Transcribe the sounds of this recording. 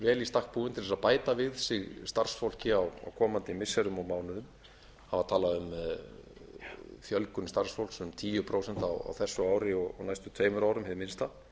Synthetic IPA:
vɛːlist̪ahk̚puːʏnt̪ɪθɛsapaːjt̪avɪð̥sɪɣst̪ar̥sfowl̥cɪawa̰wkʰɔːmant̪ɪmɪsɛɾʏmɔɣmaːwnʏðʏm | havat̪ʰaːlaðʏm | fjœlkʏnst̪ar̥sfowl̥ksɛmt̪ʰiːjʏpʰɾoːwsɛn̥t̪awa̰wθɛsːʏaːwɾɪɔɣɔnajst̪ʏt̪ʰveːjmʏɾaːwɾʏmhɛvmɪnst̪a

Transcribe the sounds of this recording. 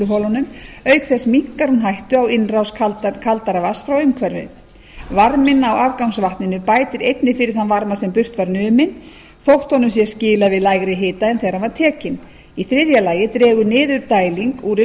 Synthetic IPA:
ʏɦɔlɔnʏmœɥkθɛsmiŋ̥kaɾunɦajht̪ʏawɪnrawskʰalkʰalt̪aɾavasfɾaweɥmkʰvɛɾvɪ̰ | vaɾmɪnawavkawŋsvaht̪nɪnʏpaːjt̪ɪɾejt̪nɪfɪɾɪɾ̥θanvaɾmasɛmpʏr̥t̪vaɾnʏːmɪn | θowht̪hɔnʏmsjɛscɪːlavɪðlaːjɣɾɪɦɪːt̪aɛnθejɾanvaɾ̥t̪ʰɛːcɪn | iθɾɪðjalaːjɪt̪ɾɛːɣʏnɪːðʏɾt̪aːjliŋkuɾɪ

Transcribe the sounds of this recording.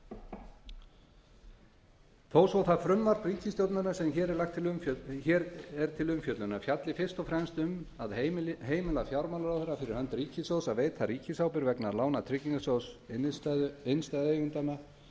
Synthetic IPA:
θoːwsowθaðfɾʏmvaɾt̪riːcɪst̪jowt̪nanasɛmçɛːɾɛɾlaxt̪ʰɪlmçɛːɾɛɾ̥t̪ʰɪlʏmfjœt̪lʏnafjat̪lɪfɪr̥st̪ɔfɾɛmst̪ʏmaðhɦeːjmɪlafjawɾmalɾawθɛɾːafɪɾɪɾhœnt̪ɾiːcɪsjowsaðveːjt̪θaɾiːcɪsawpɪɾvɛknalaːwnat̪ʰɾɪciŋkasjowsɪt̪ðɪnst̪aðeːjɣʏnt̪anːa

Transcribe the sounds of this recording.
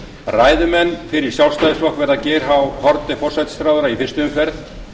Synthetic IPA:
raːjðʏmɛnːfɪɾɪɾ̥sjawlst̪ajðɪsvɔhkvɛɾðacɛːɾ̥ɦawhɔɾt̪ɪfɔr̥sɛt̪st̪ɾaːwðʏɾaifɪrst̪ʏʏmfɛɾt̪

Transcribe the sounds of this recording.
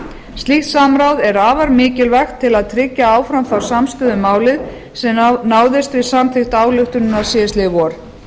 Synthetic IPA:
st̪lixt̪saːmɾawðɛɾaːvaɾmɪːcɪlvɛxt̪ʰːɪlaðt̪ʰɾɪcːaaːwfɾamθawɾ̥samst̪ʏːðʏmːaːwlɪð | sɛmnaːwðɪst̪vɪsamθʰɪxt̪aːwlʏxt̪ʏnʏnasɛst̪lɪvɔɾ̥

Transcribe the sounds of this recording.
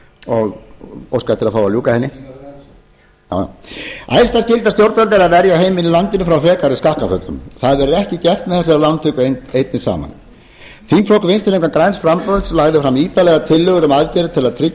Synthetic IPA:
ɔɣowskajht̪ːɪɾaðfaːwaljuːkahɛnːɪ | ja̰j̰a̰ːjst̪ascɪlt̪ast̪jowɾt̪alt̪ɛɾaðvɛɾjaɦejmɪnilant̪ɪnʏfɾawfɾɛːkaɾɪskahkafœt̪lʏ̰mθaðvɛɾʏɾɛhcɪcɛft̪mɛðθɛsːɛɾalant̪ʰʏkʏeejt̪̚nɪ̥sa̰ːma̰n | fiŋkʰlɔhkʏvejnst̪ɪleŋkakɾaːjnsfɾampœðslaɣðʏfɾamiːt̪alɛɣat̪ʰɪlːœɣʏɾʏmaðcɛɾʏt̪ʰɪlaðt̪ʰɾɪ

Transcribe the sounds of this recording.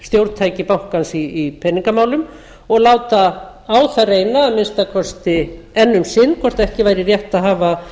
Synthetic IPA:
st̪jowɾt̪̚t̪ʰajcɪpawhkansiːpʰɛnːiŋkamaːwlʏm | ɔɣlaːwt̪a | aːwθareːjnaːmɪnst̪akʰɔst̪ɪɛnːʏmsɪnːkʰɔrst̪aðɛhcɪvajɾɪrjɛht̪aðɦaːva

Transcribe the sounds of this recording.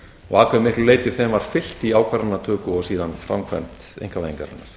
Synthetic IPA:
ɔɣaːkʰvɛðmɪhklʏleːjt̪ɪ̥θɛmvaɾ̥fɪl̥t̪iaːwkʰvaɾanːat̪ʰœːkʏɔɣsiːðanfɾa̰mkʰvɛ̰mt̪ḛjŋkʰaaiŋka̰ɾa̰nːaɾ̥

